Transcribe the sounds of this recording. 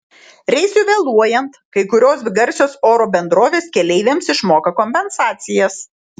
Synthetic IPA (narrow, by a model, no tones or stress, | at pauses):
ɾʲɛɪsʲʊʋʲelˠuɔjɛnt̪kɐɪkʊɾʲoːsʋʲɪɡɐɾʲsʲoːsoːɾoːbʲɛnd̪ɾoːʋʲeːskʲɛlʲɛɪʋʲeːmsɪʃmoːkɐkɔmʲpʲɛnsɑːt̪sʲɪjɛs